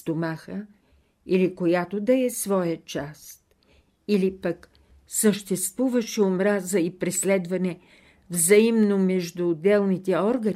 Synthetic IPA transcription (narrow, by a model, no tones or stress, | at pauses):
t̪omaxə | ilikojat̪od̪ɐɛsvɔjət͡ʃast̪̚ | ilipək | səʃt̪ɛst̪vuvəʃɛomɾazəipɾɛslɛd̪vɐnɛ | vzɐimnomɛʒd̪ʊːd̪ɛlˠnit̪ɛɔɾɡɐ